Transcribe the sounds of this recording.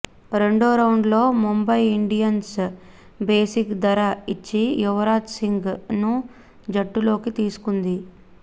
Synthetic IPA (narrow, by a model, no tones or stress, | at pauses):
ɾe̞ɳɖoːɾɐwuɳɖlo̞ːmumbɐjiɳɖijɐns | be̞ːsikd̪ɐɾɐit͡ʃːijuʋɐɾaːt̪siŋɡnu | d͡ʒɐʈːulo̞ːkit̪iːsu̥kund̪i